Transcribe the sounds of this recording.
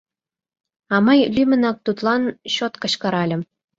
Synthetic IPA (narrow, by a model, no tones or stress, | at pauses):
ɑmɑjlʲymʲɘ̆nɑk̚t̪ut̪lˠɑnɕot̪kɤ̆ɕkɑɾɑlʲɘ̆ɤ̆m